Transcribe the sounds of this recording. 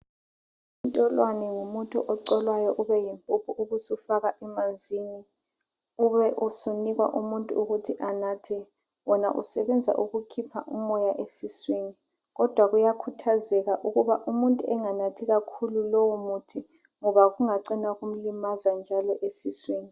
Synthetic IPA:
untʼɔlwanɛŋumutʼṵʔɔǀɔlwajɔʔuβɛjimpʼupʰuuɣusufaɣaʔɛmand͡zʱini | uβɛʔusuniɣwa̰ʔumuntʼṵuɣutʰiʔanatʰɛ | wɔnaʔṵsɛβɛnd͡zʱa̰ʔuɣukʰipʰa̰ʔṵmɔjaʔesisweni | ɣɔd̥ʱwaɣujakʰutʰazɛɣaʔuɣuβaʔumuntʼuɛŋanatʰiɣakʰululɔwumutʰi | ŋɔβaɣuŋaǀinaɣum̩limazand͡ʒʱalɔʔesisweːni

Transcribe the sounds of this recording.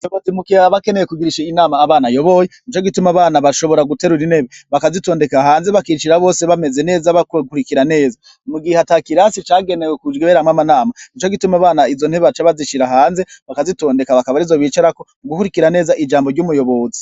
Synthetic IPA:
tokotimukiaβakenejekuɡiɾiʃeinaːmaːβaːnajo̞βo̞jenit͡ʃoɡitumaβaːnaβaʃo̞βo̞ɾaɡuteɾuɾine̞βeβakazito̞ːnde̞kaɦaːnzeβakiʃiɾaβo̞ːseβame̞ze̞ne̞ːzaβakkuɾikiɾane̞ːza | muɡihatakiɾasit͡ʃaːɡe̞newekud͡ʒɡeβeɾamŋamanaːmanit͡ʃo̞ɡitumaβaːnaizo̞n̥heβat͡ʃaβaziʃiɾaɦaːnze̞βakazito̞ːnde̞kaβakaβaɾizo̞βiːt͡ʃaɾako̞ | ɡukuɾikiɾane̞ːzaʔid͡ʒaːmboɾɟumujo̞βo̞zi̥

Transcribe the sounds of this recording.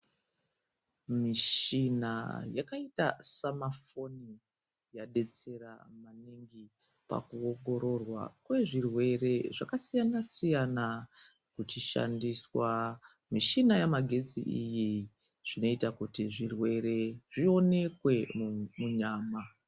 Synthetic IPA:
miʃina̰jakaita̰samafo̞ni | jaɗe̞t͡se̞ɾa̰maniŋɡi | pa̰kuoŋɡo̞ɾo̞rwa̰kwe̞ʐirwe̞re̞ʐakasijanasijana | kut͡ʃiʃa̰ndiswa | miʃinajamaɡʱe̞d͡zḭʔiji | ʐ̥ino̞itakutiʐirwe̞ɾe̞ʐio̞ne̞kwe̞muɲaːma

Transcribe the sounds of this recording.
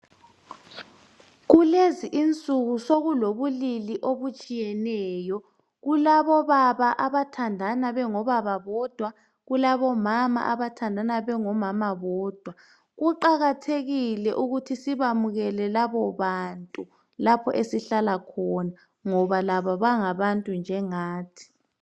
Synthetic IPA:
ɣuleziʔint͡sʼuɣusoɣuloβuliliʔoβut͡ʃʼijɛnɛːjɔ | ɣulaβɔβaβaʔaβatʰandʱanaβɛŋɔβaβaβɔd̥ʱwa | ɣulaβɔmama̰ʔaβatʰandʱanaβɛŋɔmamaβɔːd̥ʱwa | ɣuǃaɣatʰeɣilɛʔuɣutʰisiβamuɣɛlɛlaβɔβantʼu | lapʰɔʔesiɬalakʰɔna | ŋɔβalaβɔβaŋaβantʼund͡ʒʱɛŋaːtʰi̥

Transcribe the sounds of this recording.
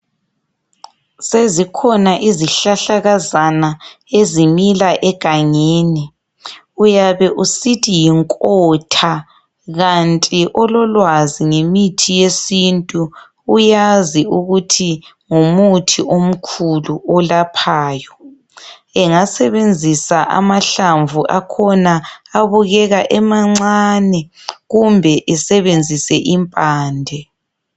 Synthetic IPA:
sezikʰɔnaʔiziɬaɬaɣazana | ezimilaʔɛɡ̥ʱaŋeːni | ujaβɛʔusitʰijiŋkʼɔtʰa | ɣant͡ɬʼiʔɔlɔlwaziŋemitʰijesintʼu | ujaziuɣutʰi | ŋumutʰiom̩kʰuluɔlapʰaːjɔ | ɛŋasɛβend͡zʱisaʔa̰maɬaɱvʱuʔakʰɔnaaβuɣɛɣaʔɛmaŋ͡ǀaːnɛɣumbʱɛʔɛsɛβend͡zʱisɛʔimpʼaːndʱɛ

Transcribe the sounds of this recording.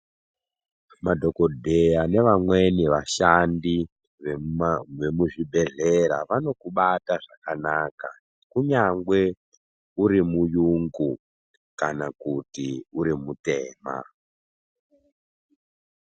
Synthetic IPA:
madʱo̞ko̞dʱejane̞ʋamwe̞niʋaʃandi | ʋeʋe̞muʐibʱe̞ɮeɾa̰ʋano̞kuɓataʐakanaːka | kuɲaŋɡwe̞ | uɾimujuŋɡu | kanakutiuɾimute̞ːma̰

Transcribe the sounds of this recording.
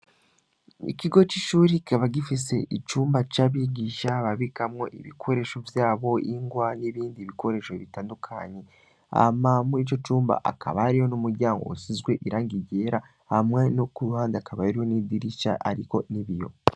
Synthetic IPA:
ḭciɡo̞t͡ʃiʃuːɾii̥kaβaɡifise̞̰ʔit͡ʃuːmbat͡ʃaːβiɡiːʃaβaβikamŋo̞ʔḭβikʰo̞ɾe̞ʃo̞vjaːβo̞iŋɡwaniβiːndiːβikʰo̞ɾe̞ːʃo̞βitaːndukʰaɲe̞ | a̰mamuit͡ʃo̞t͡ʃuːmba̰ʔa̰kʰa̰βaɾiho̞numuɾɟaːŋɡo̞̰usizɡwe̞ʔiɾaːŋɡiɟe̞ːɾa | hamŋe̞nokuɾuhaːndiakaβaaɾiho̞niːdiɾiʃa̰ʔa̰ɾiko̞niβijo̞̰

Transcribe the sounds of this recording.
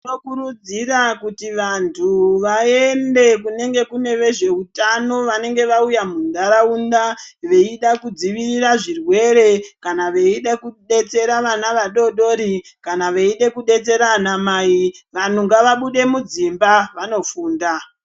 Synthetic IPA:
okuɾud͡zirakutiʋantʰuʋae̞nde̞kune̞ŋɡe̞kune̞ʋe̞ʐe̞utano̞ʋane̞ŋɡe̞ʋaujamundaɾaundaʋe̞iɗakud͡ziʋiriraʐirwe̞ɾe̞kanaʋe̞iɗakuɗe̞t͡se̞ɾaʋanaʋaɗo̞ɗo̞ɾikanaʋe̞iɗe̞kuɗe̞t͡se̞ɾanamaːiʋan̤uŋɡaʋaɓuɗe̞mud͡zimbaʋano̞fuːnda

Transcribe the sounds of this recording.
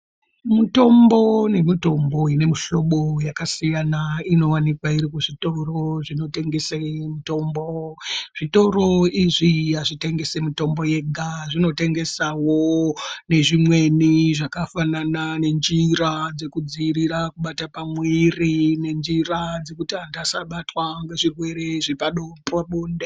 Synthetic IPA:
muto̞mbo̞ne̞mito̞mbo̞ine̞miʃo̞ɓo̞jakasijanaino̞wanikwaiɾikuʐito̞ro̞ʐino̞te̞ŋɡe̞semito̞mboʐ̥ito̞ɾo̞iʐiaʐite̞ŋɡe̞semito̞mbo̞je̞ɡʱaʐino̞te̞ŋɡe̞sawone̞ʐimwe̞niʐakafananane̞nd͡ʒiɾad͡ze̞kud͡ziriɾakuɓatapamwirine̞nd͡ʒirad͡ze̞kutiandasaɓatwaŋɡeʐirwe̞ɾe̞ʐipaɗopaɓoːnde

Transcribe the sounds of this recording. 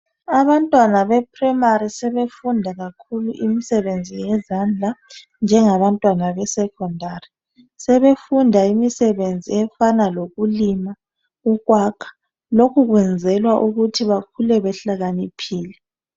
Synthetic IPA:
aβantʼwanaβɛpʰrɛmaɾisɛβefundʱaɣakʰuluʔimisɛβend͡zʱijɛzand͡ɮʱa | nd͡ʒʱɛŋaβantʼwanaβɛsɛkʰɔndʱari | sɛβefundʱaimisɛβend͡zʱiɛfanaloɣulima | uɣwakʰḁ | lokʰuɣwɛnd͡zʱɛlwaʔuɣutʰiβakʰulɛβɛɬaɣanipʰiːlɛ

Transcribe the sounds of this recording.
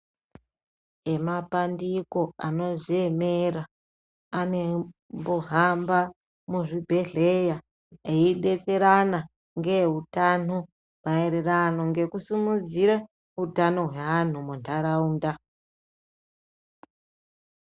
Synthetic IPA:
e̞mapandiko̞ano̞ʐieme̞ɾaː | ne̞mboɦamba | muʐibʱe̞ɮe̞ja | eiɗe̞t͡se̞ɾana | ŋɡe̞ɦutan̤u | maeɾerano̞ŋɡe̞kusimud͡ziɾa | utano̞ɦweʋan̤umundaɾauːnda

